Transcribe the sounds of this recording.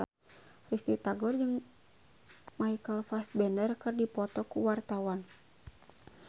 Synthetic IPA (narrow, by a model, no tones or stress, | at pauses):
rist̪it̪aɡɔrd͡ʒɨŋ | maikəlfas̚bɛndərkərdipɔt̪ɔkuwart̪awan